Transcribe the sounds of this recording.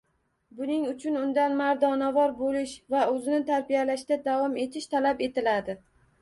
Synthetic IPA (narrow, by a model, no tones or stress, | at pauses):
bʊnɪŋʊt͡ʃʰʊnʊnd̪anmaɾd̪ɒnavɒɾbolɪʃvaɵzɪnɪt̪ʰaɾbijalaʃd̪ad̪avɒme̞t̪ʰɪʃt̪ʰalape̞t̪ʰɪlad̪ɪ